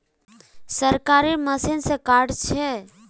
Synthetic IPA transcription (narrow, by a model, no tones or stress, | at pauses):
səɾkaɾiməsinsẽkaɾɖt͡ʃʰɛ